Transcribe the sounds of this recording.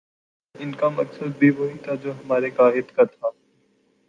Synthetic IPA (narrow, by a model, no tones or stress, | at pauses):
ɪnkamɐksəd̪̚bʱiʋoːɦit̪ʰad͡ʒoːɦɐmaːɾekaːɦɪd̪kat̪ʰaː